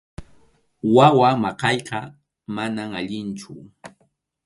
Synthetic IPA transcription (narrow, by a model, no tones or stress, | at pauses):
wawamɑqɑjqɑ | manamaʎɪnt͡ʃʊ